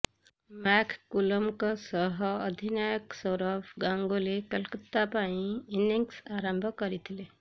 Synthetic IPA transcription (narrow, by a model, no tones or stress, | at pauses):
mɛːkʰkuləmkasəɦɐd̪ʱinaːjəksɔɾəbɡãːŋɡolekəlkət̪ːapaːĩɪniŋksaːɾə̃mbʱkəɾit̪ʰleː